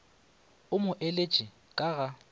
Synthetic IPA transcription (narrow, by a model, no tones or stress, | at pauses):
ʊmʊʔelet͡ʃʼɪ | kʼaɣa